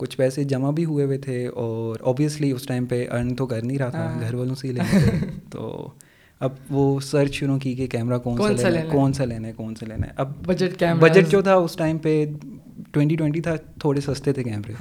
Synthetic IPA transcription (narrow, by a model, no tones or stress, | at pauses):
kʊt͡ʃʰpɛːsed͡ʒɐmabʱiɦʊeʋet̪ʰeɔːɾɔ̰ːbiəsliʊsʈaːɪmpeʔɐ̰ɾnt̪okɐɾnĩɾɐɦatʰaɡʱɐɾʋaːlõseilet̪o̰ː | ɐbʋoːsəɾt͡ʃʃʊɾũkikekɛːmɾakɔːnːanlːkɔːnsaleːnaɛkɔːnsalḛːna̰ʔɐb̚bɐd͡ʒəʈkɛːmɾbɐd͡ʒəʈd͡ʒoːt̪ʰaʊsʈaːɪmpe | ʈwɛ̃ɳʈiʈwɛ̃ɳʈ̬it̪ʰat̪ʰoːɽesɐst̪et̪ʰekɛːmɾe